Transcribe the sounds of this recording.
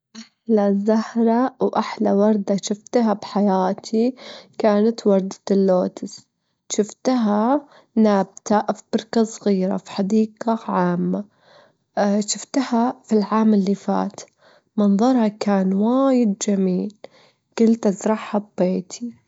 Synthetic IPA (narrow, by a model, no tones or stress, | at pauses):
ʔaħlazahɾˤɑwʔaħlawɑɾˤd̪aʃɪft̪ɦabħajaːt̪ʰikaːnat̪wɑɾˤd̪at̪ɪlːoːt̪ɪs | ʃɪft̪ɦa | naːb̚t̪aʔfb̥ɪɾˤkasˤɣiːɾa̰fi̥ħad̪iːɡaʕaːmːa | ʃɪft̪hafilʕaːmɪlːifa̰ːt̪ | mɑnðˤɑɾˤhɑkaːnwaːjɪd̪̚d͡ʒamiːl | ɡ̥ɪlt̪ʔazɾˤɑħhabːeːt̪ʰi